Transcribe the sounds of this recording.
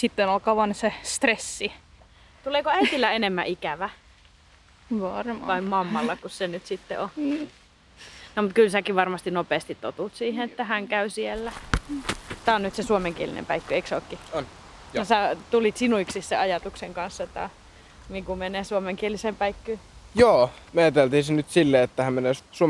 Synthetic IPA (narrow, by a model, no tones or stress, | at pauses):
sit̪ːenolkɑʋɑnsest̪resːi | t̪uleːkoæit̪ilːæenemːæ̰ʔikæʋæ | ʋɑrmʋɑimmɑmːɑlːɑkussenyt̪sit̪ːḛo | nomut̪̚kylsækiʋʋɑrmɑst̪inopeːst̪it̪t̪o̰t̪ut̪siːheet̪ːæhæŋkæysielːæ | t̪ːæːonyt̪sesuomeŋkielḭnḛmpæikːøeiksokːin | jɑsæt̪ulit̪sinuiksisseɑjɑt̪ukseŋkɑnsːet̪ːæ̰ | miːŋkumeneːsuomeŋkielisempæikːyjoːmeɑt̪elt̪ihisenyt̪silːeet̪ːæhæmmeneːˑsuo